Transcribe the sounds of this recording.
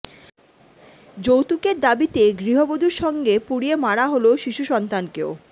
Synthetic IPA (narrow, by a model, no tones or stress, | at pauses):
d͡ʑowt̪ukeɾd̪abit̪eɡɾiɦobod̪uɾʃɔŋɡepuɽiemaɽaɦoloʃiʃuʃɔnt̪ankeo